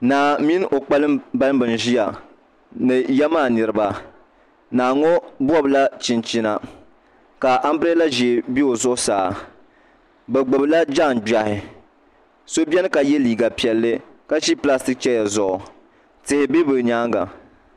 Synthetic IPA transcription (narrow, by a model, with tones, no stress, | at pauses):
naː˨mi˦nʔo˨k͡pa˦lɨ˦mba˦lɨ˦bɨ˨n˨ʒi˦ja˨ | nɨ˨jɛ˦maː˦˨nɨ˨ɾɨ˨˦ba˦ | naː˨ŋɔ˦bwɔ˦bɨ˨la˦t͡ʃi˨nt͡ʃi˦na˨ | ka˨ʔa˦m˦bɾe˦la˦ʒɛ˨bi˦o˨zʊ˦ʔʊ˦saː˨ | bɛ˨ɡ͡bʊ˨bla˦d͡ʒa˦˨nd͡ʒa˨hɪ˨ | so˦bɛ˦nɨ˦ka˨jɛ˦liː˨ɡa˨pi˨ɛ˨lːɨ˦ | ka˦ʃi˦pla˦stɪ˦k̚t͡ʃɛ˦ja˨zʊ˨ʔʊ˨ | tɨ˨hɪ˨˦bi˦bɨ˨ɲaː˦ŋɡa̰˨